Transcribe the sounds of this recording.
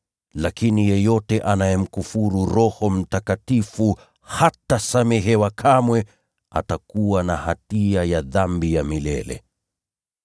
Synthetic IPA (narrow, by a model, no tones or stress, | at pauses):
lakinijɛjɔtɛʔanajɛm̩kufuɾuɾɔhɔm̩takatifu | hatasamɛɦɛwakʰamwɛ | a̰takuwanahatiajaðambijamilɛ̰lɛ̰